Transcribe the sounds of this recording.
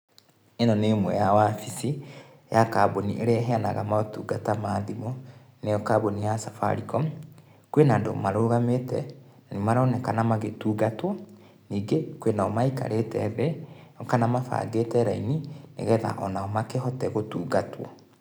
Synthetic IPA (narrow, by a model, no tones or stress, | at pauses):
enɔnemwɛ̰jawafisi | jakaboniʔeɾeɛɦɛanaɣamatuːɡatamaːðimɔ | nejɔkabonijasafa̰ɾikɔ | kwenando̰maɾoɣametɛ̰nanimaɾɔnɛkanamaɣetuːɡatwɔ | niːɡekwenaɔmaika̰ɾetɛðɛɔkanamafa̰ɡetɛɾa̰ininḛɣɛða̰ʔɔnaɔmakeɦɔtɛɣotuːɡatwɔ̰